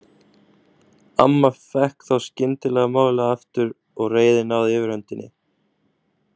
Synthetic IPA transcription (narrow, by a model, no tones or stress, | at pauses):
a̰mːafɛhkθawscɪnt̪ɪlɛɣamaːwlɛɣaft̪ʏɾ | ɔɣreːjðɪnawðɪvɪɾ̥hœnt̪ɪnːɪ̰